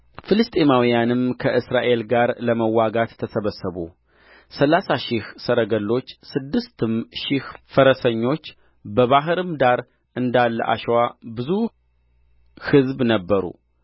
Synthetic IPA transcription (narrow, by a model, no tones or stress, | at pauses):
fɨlɨst̪ʼemawijanɨmkʰəʔɨsɾaʔe̞lɡaɾləməwːaɡat̪ʰːəsəβəsːəβṵ | səlasaʃihsəɾəɡəlːo̞t͡ʃːsɨd̪ːɨst̪ʰɨmʃɪhfəɾəsəɲːo̞t͡ʃː | bəβaɦɨɾɨmd̪aɾ | ʔɨnd̪alːə̰ʔa̰ʃwabɨzu | hɨzbnəbːəɾṵ